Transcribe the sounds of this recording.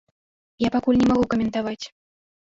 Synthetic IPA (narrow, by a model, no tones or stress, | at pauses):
japakulʲnʲɛmaɣukɐmʲɛnt̪avat͡sʲ